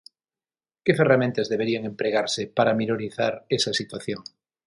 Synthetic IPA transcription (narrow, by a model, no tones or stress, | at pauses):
keferamẽnt̪azðeβ̞eɾiaŋẽmpɾeɣaɾsepaɾaminoɾiθaɾesasit̪waθjoŋ